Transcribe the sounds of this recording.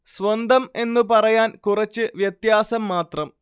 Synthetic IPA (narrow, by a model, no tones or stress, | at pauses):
sʋɐnd̪ʱɐme̞nːupɐrɐjaːnkurɐt͡ɕːɨʋjɐt̪jaːsɐmːaːt̪rɐm